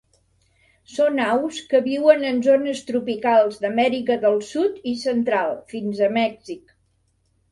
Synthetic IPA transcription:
sonawskəβiwənənzonəst̪ɾupikalˠzðəmɛɾikəðəlˠsut̪isənt̪ɾalˠfinzəmɛkzik

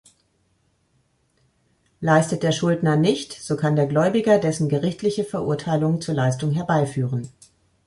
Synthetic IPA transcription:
laɪstət̚d̥eːɐʃʊldnɐnɪçtz̥oːkʰandeːɐɡlɔʏbɪɡɐdɛsn̩ɡəʁɪçtʰlɪçəfɛɐʔʊɐtʰaɪlʊŋt͡suːɐlaɪstʊŋɦɛɐbaɪfyːʁən

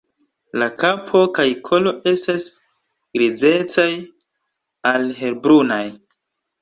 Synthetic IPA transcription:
lakapʰo̞kajkʰo̞lo̞ʔe̞stas | ɡ̥ɾid͡ze̞t͡saj | alɦe̞lbɾunaj

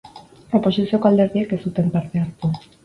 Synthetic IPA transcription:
ropoʃisekald̪eɾðjekesut̪empaɾt̪eaɾt̪u

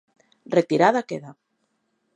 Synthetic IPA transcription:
ret̪iɾaðakeða

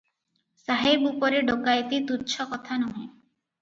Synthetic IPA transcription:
saɦebupɔɾeɖoɡajt̪it̪uɾt͡ʃʰɔkɔt̪ʰanɔɦẽ

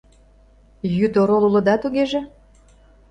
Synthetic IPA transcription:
jyt̪oɾolulɤ̆d̪ɑt̪uɣeʒĕ

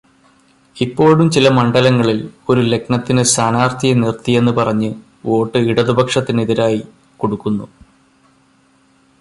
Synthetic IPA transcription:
ipːo̞ːɭumt͡ɕilɐmɐɳɖɐlɐŋːɐɭilo̞ɾule̞knɐt̪ːinɨsaːnaːrt̪ʰijɐnirt̪ie̞nːɨpɐrɐɲːɨ | o̞ːʈːɨiɽɐðubʱɐkʂɐt̪ːiniðiɾaːji | ko̞ɽukːunːu

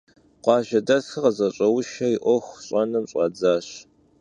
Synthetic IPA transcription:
qʷɑːʒɐdɐsɨqɐzɐɕʼɐwʊʃɐiʔʷɔxʷɕʼɐnɨmɕʼɑ̰d͡zaːɕ

